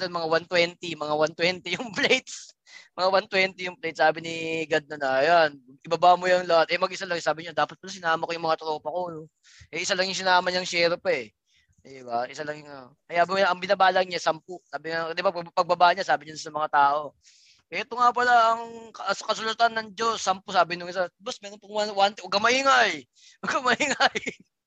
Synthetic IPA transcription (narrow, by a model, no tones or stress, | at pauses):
d̪ɐnmɐŋawant̪wɛnt̪imɐŋawant̪wɛnt̪ɪjʊŋplɛjt̪s | mɐŋawant̪wɛnt̪ɪjʊŋplejt̪̚saːbɪnɪɡɐd̪̚nɐnɐʔɐjanɐɪbɐbamojɐŋlɐhat̪̚ʔɛmɐɡ̚ʔɪsalɐŋsaːbɪɲad̪aːpɐt̪̚pɐlas̬ɪnaːmɐkojʊŋmɐŋat̪ɾo̞ːpɐkon | ʔɛʔɪsalɐŋjʊŋs̬ɪnaːmɐɲɐŋʃɛːɾpɛɛ | ɪbaʔɪsalɐŋjŋa | ɐjamojaʔɐŋbɪnabaːlɐɲasɐmpʊsaːbɪŋad̪ɪbappɐɡ̚bɐbaʔɲasaːbɪɲasɐmɐŋat̪aːʔo̞ | ʔɛt̪oŋap̬ɐlaʔɐŋkɐsɐkɐsʊlɐt̪anːɐŋd͡ʒo̞sːɐmpʊsaːbɪnʊŋɪs̬abɐsmɛːɾonpɐŋwanwant̪ɛʔoɡɐmɐhiŋaj | ʔoɡɐmɐhiŋaj